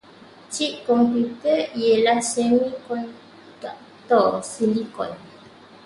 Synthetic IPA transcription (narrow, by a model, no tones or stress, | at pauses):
t͡ʃiʔkɔmpjut̪əijelahsemikɔn | daʔ | t̪ɔsilikɔ̰n